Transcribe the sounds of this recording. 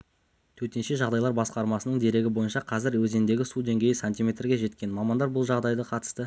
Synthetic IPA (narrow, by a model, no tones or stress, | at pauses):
t̪ʰɵɾt̪e̞nʃe̞ʒɑʁd̪ɑjlˠɑɾbɑsqɑɾmɑsənəɴd̪e̞ɾe̞ɡʲɪbo̞jənʃɑqʰɑzɪɾwɵze̞nd̪e̞ɡʲɪsud̪e̞ŋɡʲe̞jɪsant̪ʲijme̞t̪rɡʲe̞ʒe̞t̪kʲe̞nmɑmɑnd̪ɑɾbʊlˠʒɑʁd̪ɑjd̪əqʰɑt̪ə̥st̪ə